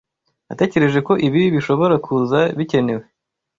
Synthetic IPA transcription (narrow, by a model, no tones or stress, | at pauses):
na̰te̞ːce̞ɾe̞ʒe̞ko̞ʔiβiβiʃo̞βo̞ɾakʰuzaβice̞ne̞we̞